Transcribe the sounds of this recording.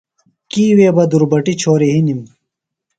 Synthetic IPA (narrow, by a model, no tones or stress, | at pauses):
kiːweːbɐd̪uɾbɐʈit͡ɕʰoːɾiɦinim